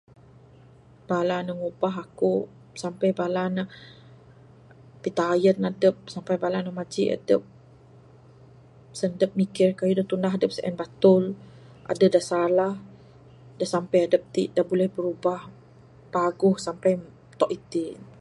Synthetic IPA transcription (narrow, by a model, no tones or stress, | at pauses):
b̥alanəŋubaɦaku | sampajbalanah | pit̪aːjənadəp̚sampajbalanamad͡ʒiʔa̰dəp̚ | səndəp̚mikɪrkajudaht̪undaɦadəp̚səʔɛ̰nbat̪ʊl | ʔa̰dədasalah | dasampajadəp̚t̪ḭʔdabolɛhbəɾubah | paɡʊhsampaj | t̪ɔʔit̪i